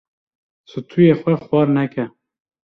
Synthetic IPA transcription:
sɨt̪ʰujeːxʷɛxwɑːɾnɛkʰɛ

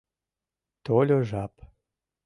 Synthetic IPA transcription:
t̪olʲoʒap

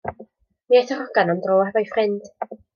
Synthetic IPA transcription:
miaθɔrɔɡanɔndroːɛvajfrɪnd̥

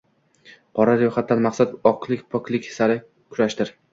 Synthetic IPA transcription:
qʰɒɾaɾjɒχat̪̚ːanmaqsat̪ɒqlˠɪkʲpʰɒkʲlˠɪkʲsaɾɪ | kʲʰʊɾaʃt̪ɪɾ

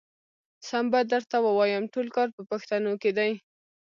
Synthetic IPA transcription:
sambad̪əɾt̪awəwɑjamʈolkɑɾpəpaxt̪anoked̪aj

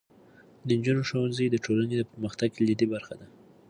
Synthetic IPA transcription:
d̪ənd͡ʒunoʃowanzəjd̪əʈʰolaned̪əpəɾməxt̪aɡlid̪ebaɾxad̪a

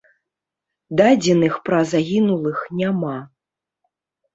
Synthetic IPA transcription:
d̪ad͡zʲɛnɨxpɾɐzaɣʲinulˠɨxnʲama

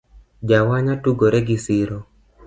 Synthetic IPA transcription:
d͡ʒawaɲatuɡoɾɛɡisɪɾo

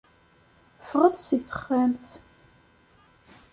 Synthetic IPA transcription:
fʁəθsiθə̥χæmθ

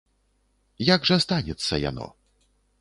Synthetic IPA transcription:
jaɡʐɐst̪anʲɛt̪sːɐ̰ja̰nɔ̰

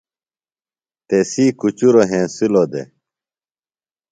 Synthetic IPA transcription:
t̪esiːkut͡ɕuɾoɦẽːsilod̪ḛ

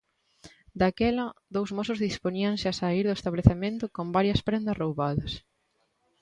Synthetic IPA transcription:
d̪akɛlɐðowzmosʊzðispoɲiɐŋsɪasaiɾðʊest̪aβleθemẽnt̪ʊkombaɾjɐspɾend̪ɐsrowβaðɐs

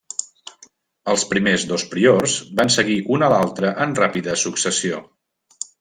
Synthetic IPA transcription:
əlˠspɾimezðospɾiorzbansəɣiʔunəlalˠt̪ɾəʔənrapiðəsuksəsio

